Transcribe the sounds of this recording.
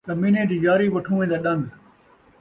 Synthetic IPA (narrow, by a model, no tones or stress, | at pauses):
zɐmiːnẽːd̪iːjaːɾiːʋəʈʰũːẽːd̪aːɗə̃ŋɡ